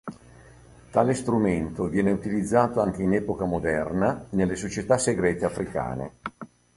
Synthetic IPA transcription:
t̪aːlest̪ɾument̪ovjɛːneut̪ilid̪zːaːt̪oaŋk̟einɛːpokamod̪ɛrnanelːesot͡ʃet̪aseɡɾɛːt̪eafɾʔika̰ːnḛ

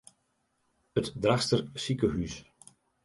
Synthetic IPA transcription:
ətdraxstərsikəɦys

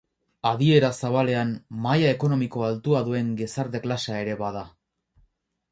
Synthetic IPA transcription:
aðie̞ɾasaβale̞ammajae̞ko̞no̞miko̞alt̪uaðue̞ŋɡe̞saɾðe̞klasae̞ɾe̞βaða

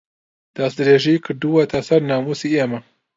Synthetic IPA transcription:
d̪̥ɐsd̪ɨɾeːʒikʰɨɾd̪uwɐt̪ʰɐsɐɾnaːmusiʔemɐ

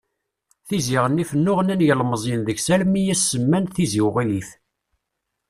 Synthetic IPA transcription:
θiziʁənːifənːʊʁənænjəlməzˤinðəʝsælmijæsːəmːænθiziwʁiliθ

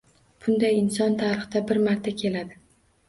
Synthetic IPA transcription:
b̥ʊnd̪ajɪnsɒnt̪ʰaɾɨχd̪abɪɾmaɾt̪ʰakʲʰe̞lad̪ɪ

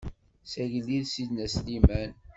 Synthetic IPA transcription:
sæʝəlːiðsid̪næslimæn

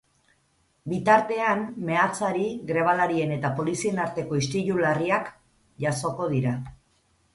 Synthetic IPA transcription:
bit̪aɾt̪e̞anme̞at͡saɾiɡɾe̞β̞alaɾie̞ne̞t̪apo̞lisie̞naɾt̪e̞ko̞ist̪iʎulariak | ʝaso̞ko̞ð̞iɾa

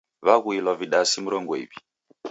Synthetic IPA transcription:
βaɣuilwaviɗasimuɾɔŋɡɔḭβi

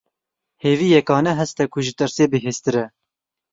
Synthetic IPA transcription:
heːviːjɛkɑːnɛɦɛst̪ɛkʰʊʒɪt̪ɨɾseːbɨɦeːst̪ɨɾɛ

